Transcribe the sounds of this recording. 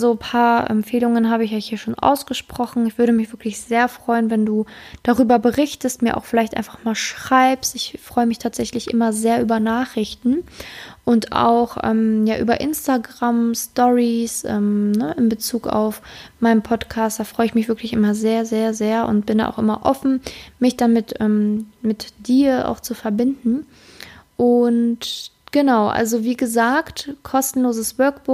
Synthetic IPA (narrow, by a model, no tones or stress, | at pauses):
zoːpʰaːɐʔɛ̰mfeːlʊŋənɦaːbəɪçɔçhiːɐʃoːnʔa̰ʊsɡ̥əʃpʁ̥ɔxn̩ɪçv̥ʏɐɾəmɪçv̥ɪɐklɪçz̥eːɐfʁ̥ɔʏənvɛnduːd̥aʁyːbɐbəʁɪçtəstmiːɐʔa̰ʊxfɪlaɪçtʔa̰ɪnfaχmaːlʃʁ̥aɪpstɪçfʁ̥ɔʏəmɪçtʰaːtz̥ɛçlɪçʔɪ̰mɐzeːɐʔyːbɐnaːχʁ̥ɪçtn̩ʔʊnta̰ʊxʔɛ̰ːmjaːʔy̰ːbɐʔɪnstaɡʁamstɔʁisʔɛ̰mnəʔɪmbət͡suːka̰ʊfmaɪnənpʰɔtkʰaːst̚d̥aːfʁ̥ɔʏəɪçmɪçv̥ɪɐklɪçʔɪmɐzeːɐzeːɐzeːɐʊ̰ntb̥ɪnda̰ʔa̰ʊxʔɪmɐʔɔfn̩mɪçd̥amɪtʔɛmmɪtd̥iːɐʔa̰ʊxt͡sufɛɐbɪndn̩ | ʔʊnt | ɡ̥ənaʊʔa̰lzoviːɡəzaːktkʰɔstn̩loːzəsvœɐk̚b̥ʊ